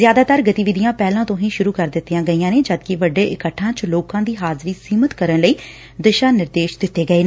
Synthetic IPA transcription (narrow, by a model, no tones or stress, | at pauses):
zjaːd̪aːt̪əɾɡət̪iːʋɪd̪ijãːpɛːlãːt̪õɦĩːʃʊɾuːkəɾd̪ɪt̪ːijãːɡəiːjãːneːd͡ʒəd̪kɪʋəɖːeːʔɪkəʈʰːãːt͡ʃloːkãːd̪iːɦaːzɾiːsiːmət̪kəɾənləiː | d̪ɪʃaːnɪɾd̪eːʃd̪ɪt̪ːeːɡəeːn